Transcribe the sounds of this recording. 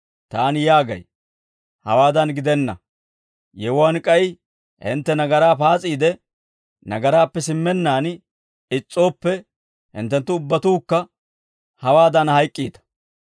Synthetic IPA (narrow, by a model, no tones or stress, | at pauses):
t̪aːnjaːɡɐ̰j | hɐ̰waːd̪ɐnɡɪd̪ɛnːɐ̰ | jɛwʊwankʼɐj | hɪ̰nt̪ːɛnɐɡɐɾaːpaːt͡sʼiːd̪ɛ | nɐ̰ɡɐɾaːpːɛsɪmːɛnːaːn | ɪt͡sʼːo̞ːpːɛ | hɪ̰nt̪ːɛnt̪ːʊʊbːɐt̪uːkːɐ | hɐwaːd̪ɐnhɐjkʼːiːd̪ɐ̥